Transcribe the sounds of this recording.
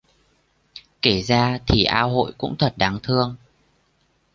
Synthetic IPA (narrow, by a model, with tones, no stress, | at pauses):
ke˧˩zaː˧t̪ʰi˨˩ʔaː˧ɦo̰˧˨jkʊ̰˧˥ŋ͡mt̪ʰwə˨˩t̚ɗa˨˦ŋt̪ʰɨ˧əŋ